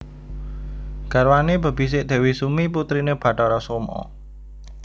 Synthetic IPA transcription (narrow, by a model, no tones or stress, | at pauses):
ɡ̥a̤ɾwanebə̤b̥i̤s̬ɪʔd̪̥ɛ̤wisumiput̪ɾineb̥ä̤ʈɔɾɔsomɔ̰